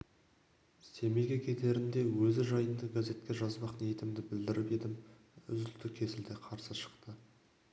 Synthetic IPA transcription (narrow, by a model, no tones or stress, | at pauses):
se̞meɡʲekʲʰe̞t̪e̞ɾɪnd̪e̞wɵzɪʒɑjənd̪əɡaze̞t̪kʲe̞ʒɑzbɑqnet̪ɪmd̪ɪbɪld̪ɪɾɪpe̞d̪ɪm | ʏzʏlt̪ɪkʲʰe̞sɪld̪ɪqʰɑɾsəʃə̥qt̪ə